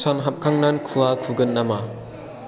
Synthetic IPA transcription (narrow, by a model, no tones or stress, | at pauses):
sanɦap̚kʰaŋnankʰuakʰuɡɯnːama